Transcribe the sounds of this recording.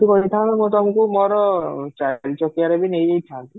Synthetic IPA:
t̪ukɔɾit̪ʰãnemɔt̪ɔmɔ̃ŋkumɔɾɔt͡ʃaɾit͡ʃɔkiaɾebinejejt̪ʰãnt̪i

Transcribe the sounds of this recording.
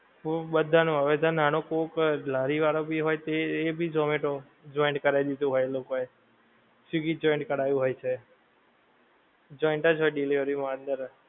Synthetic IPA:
obəd̪ʱanũaʋed̪ʱananokoklaɾiʋaɾobiɦojt̪eːbʱid͡ʒomeʈo | d͡ʒɔiɳʈkəɾajd̪id̪ũɦojlokoe | siɡid͡ʒɔiɳʈkəɽajũɦojt͡ʃʰe | d͡ʒɔiɳʈəd͡ʒɦojɖileʋəɾimand̪əɾ

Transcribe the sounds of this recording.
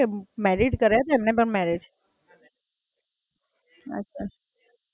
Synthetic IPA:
mɛɾiɖkəɾjat̪oɛmnepəɳmɛɾet͡ʃʰe | ə̰tːʃʰa

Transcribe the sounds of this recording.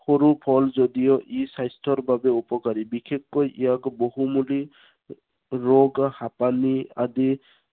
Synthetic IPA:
hɔɾupʰɔlzɔd̪ijɔʔisajstʰɔɾbabeupɔkaɾibikʰekːɔjʔḭjakbɔɦumuli | ɾoɡhapania̰d̪i

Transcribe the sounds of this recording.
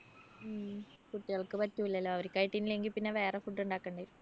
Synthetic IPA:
kuʈːiɣɐɭkɨpɐtːuilːɐlːoːɐʋɐɾikʲːaːjiʈːinileŋɡilpinːeʋe̞ːrefuʈːuɳɖaːkːɐɳɖaːjɾu

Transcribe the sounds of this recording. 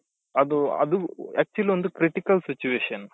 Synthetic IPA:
ɐd̪uɐ̰d̪uɛːk̚t͡ʃuɐliʋond̪ukɾiʈikɐlsit͡ʃueːʃɐn

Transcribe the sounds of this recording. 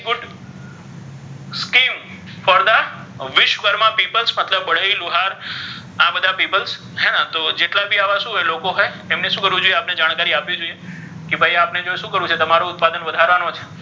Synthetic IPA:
ɡʊɖ | skim | fɔɾd̪a | ʋɪʃʋəɾmãpipəlsmət̪ləbːəɭəiluɦaɾ | abəd̪ʱapipəls | ɦɛnãt̪od͡ʒeʈlabʱiaʋaʃũɦelokoɦaj | emneʃũkəɾʋũd͡ʒojeapned͡ʒaɽ̃kaɾiapjĩd͡ʒoie | kebʱajapned͡ʒoeʃũːkəɾũt͡ʃʰet̪əmaɾoʊt̪̚pad̪ənʋəd̪ʱaɾʋanot͡ʃʰe̥

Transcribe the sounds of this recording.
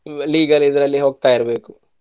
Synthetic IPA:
liːɡɐlid̪ɐɾɐlːiɦoːɡ̚t̪aːjiɾɐbeːku

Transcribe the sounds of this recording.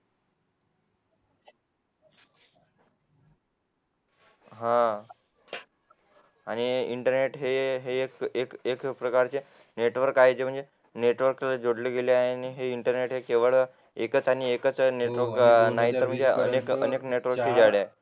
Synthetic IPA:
ɦã | aɽ̃iiɳʈəɾneʈɦeɦeːkekekpɾəkaɾt͡se | neʈʋəɾkaɦed͡ʑem̤əɳd͡ze | neʈʋəɾklad͡zoɽleɡeleaniɦeiɳʈəɾneʈɦekeʋəɭ | ekət͡saɽ̃iekət͡sneʈʋəɾknaɦit̪əɾm̤əɳd͡zeə̰nekə̰nekneʈʋəɾ̚t͡ɕiːd͡zaɽae

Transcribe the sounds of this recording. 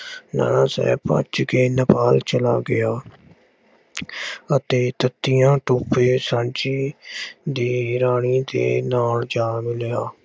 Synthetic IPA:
na̰ːnãːsɛ̰ːpə̰t͡ʃkeːnəpaːlt͡ʃəla̰ːɡɪaː | ət̪eːt̪ət̪ːɪjãːʈoːpeːsãːnt͡ʃiː | d̪iːɾaːɳ̃iːd̪ḛːnaːld͡ʒaːmɪleaː

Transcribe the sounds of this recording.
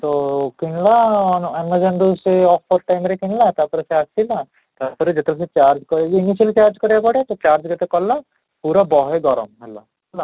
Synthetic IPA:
t̪okiɳlaɔnɛmad͡ʒɐnd̪useɔpʰːɔɾʈajmɾekiɳlat̪apɔɾeseasila | t̪apɔɾed͡ʒet̪ɾas̬et͡ʃaɾd͡ʒkɔɾiniʃəlt͡ʃaɾd͡ʒkɔɾjapɔɽjat̪ɔt͡ʃaɾd͡ʒɡɐt̪ekɔlːa | puɾabɔɦeɡɔɾɔ̰mɦɛlːa̰ | ɛla

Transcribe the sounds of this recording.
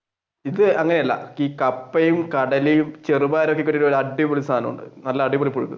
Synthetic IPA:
iðɨɐŋːɐneɐlːɐ̰iːkɐpːɐjumkɐɽɐlijumt͡ɕe̞rubaːɾokːekːuɾːioɾoɾuɐɖːipoɭisaːnɐmṵɳɖɨ̰nɐlːɐːɖipoɭipːuɻukːṵ

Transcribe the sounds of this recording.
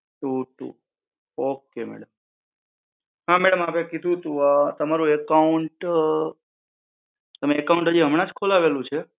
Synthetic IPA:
ʈuʈṵ | okemɛ̰ɽəm | ɦamɛɽəmapekid̪ʱũt̪ũat̪əmaɾũekaʊɳʈ | t̪əmeːkauɳʈɦəd͡ʒiɦəmɽ̃ãd͡ʒkʰolaʋelũt͡ʃʰe

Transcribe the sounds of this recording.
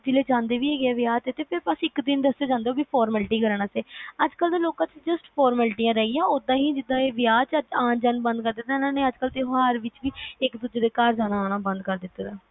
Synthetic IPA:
d͡ʒɪleːd͡ʒãːnd̪eːʋiːeːɡɛːʋjaːt̪et̪eːpʰɪɾpəsɪkd̪ɪnd̪əsːaːd͡ʒãːnd̪eoːbiːpʰɔːɾməlʈiːkəɾɳãːseːəd͡ʒkəld̪eːloːkãːt͡ʃd͡ʒəsʈpʰɔːɾmɛːlʈiːjãːɾɛːijãːod̪ãːɦiːd͡ʒɪd̪ãːeːʋɪjaːt͡ʃəãːd͡ʒənbə̃nd̪̚kəɾd̪ɪt̪ːaːnãːneːəd͡ʒkəlt̪eːɦɦaːɾʋɪt͡ʃʋiːɪkd̪ʊd͡ʒeːd̪eːkaːɾd͡ʒaːnãaːɽãːbə̃nd̪kəɾd̪ɪt̪ːɾaː

